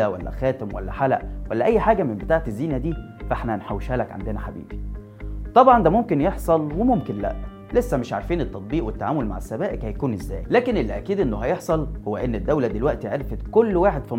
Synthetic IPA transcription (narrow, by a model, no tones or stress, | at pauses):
æwæ̰lːæ̰xæːt̪emwælːæ̰ħalæʔwælːæʔæjːħaːɡæmembet̪aːʕet̪ezːiːnæd̪iː | fʔeħnænħawːeʃhæːlækʕa̰nd̪enæħa̰bḭːbi | t̪ˤɑbʕɑnd̪æmomkenjeħsˤɑlwemomkenlæ̰ʔ | lesːæmɪʃʕa̰ɾˤfiːnet̪ːɑt̪̚ˤbiːʔwet̪ːaʕaːmolma̰ʕesːæbæːʔekhæjækuːnʔezːæ̰ːjlæːkenʔelːʔækiːd̪ʔenːoɦæjeħsˤɑlhowːæʔenːed̪ːæwlæd̪elwæʔt̪iʕeɾfet̪kolːwaːħed̪̥fim